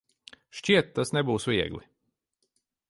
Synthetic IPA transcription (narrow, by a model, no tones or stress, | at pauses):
ʃt͡ʃiɛt̪ːasnɛbuːsvʲiɛɡlʲi